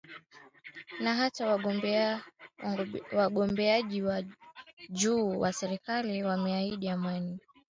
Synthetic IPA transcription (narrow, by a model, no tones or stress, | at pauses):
naɦatawa | waɠɔmbɛaʄiwa | d͡ʒuːwasɛɾikaliwamɛaiɗiamani